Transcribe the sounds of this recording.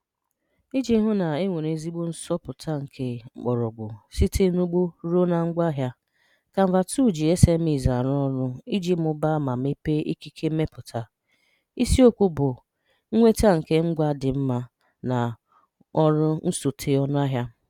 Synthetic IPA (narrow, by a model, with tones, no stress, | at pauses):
i˦d͡ʒi˦ɦʊ˦na˨e˦ŋʷe˨ne˨zi˦ɡ͡bʊ˦n̩˦sɔ˦pʊ˨tʰa˦ŋ̩˨kʰe˦k͡pɔ˨ɾɔ˨ɡ͡bʊ˨si˦tʰe˦nu˦ɡ͡bo˦ɾo˦na˨ŋ̩˦ɡʷa˦ɦja˦ | ka˨m̩˨va˨tu˦˨d͡ʒi˨e˦se˦m̩˦i˨za˨ɾɔ˦ɾʊ˦i˦d͡ʒi˦m̩˦ʊ˦ba˦ma˨m˦e˦pe˦ʔi˦ki˦kʰe˦me˦pʊ˨tʰa˨ | i˦si˦o˦kʷu˦bʊ˨ | ŋ̩˦ŋʷe˦ta˦˨ŋ̩˨ke˦ŋ͡m̩˦ɡʷa˦dɪ˨m̩˦ma˦ | na˨ | ɔ˦ɾʊ˦n̩˦so˨tʰe˨˦ɔ˦n˦a˦ɦja˦